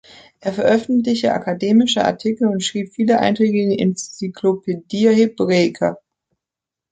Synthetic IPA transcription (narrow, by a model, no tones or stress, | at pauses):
ʔeːɐfɛɐʔœfn̩tlɪçtəʔa̰kʰadeːmɪʃəʔa̰ɐtʰɪkl̩ʊntʃʁ̥iːpfiːləʔa̰ɪntʁ̥eːɡən̩ɪ̰nt͡sikʰlopʰediːɐheb̥ʁeɪkʰa̰